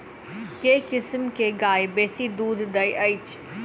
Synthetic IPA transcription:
kekɪsmkeɡaːebeːsid̪uːd̪d̪ɐjʔɐɪt͡ʃ

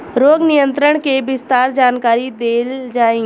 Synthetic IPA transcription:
ɾoːɡnijə̃nt̪ɾəɽ̃kebɪst̪aːɾd͡ʒaːnkaːɾid̪eːld͡ʒaːẽ

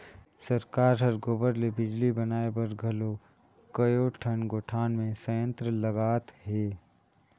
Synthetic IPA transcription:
sɐɾkaːɾɦɐɾɡoːbəɾlebɪd͡ʒlibɐnaːebɐɾɡʱɐlo | kɐjoːʈʰənɡoʈʰaːnmẽsəjə̃nt̪ɾəlɐɡaːt̪ɦeː

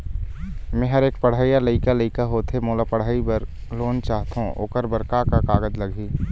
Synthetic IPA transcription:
mɛ̃ːɦəɾeːk̚pəɽ̤aːijaləɪkaləɪkaɦoːt̪emoːlapəɽ̤aːibəɾloːnt͡ʃaːɦt̪aɦũʔo̰ːkəɾbəɾkakakaːɡəd͡ʒləɡʱiː

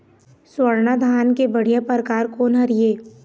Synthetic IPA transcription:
swəɾnad̪ʱaːnkebəɽ̤ijapəɾəkaːɾkoːnɦɐɾieː

